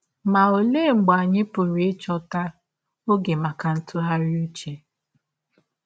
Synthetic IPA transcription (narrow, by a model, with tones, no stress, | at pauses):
ma˨o˨le˦˨ŋ͡m̩˨ɡ͡ba˨ɲɪ˦pʊ˨ɾi˦t͡ʃɔ˦ta˦ | o˦ɡe˨ma˨ka˨n̩˦tʊ˦ɦa˦ɾɪ˦u˦t͡ʃe˨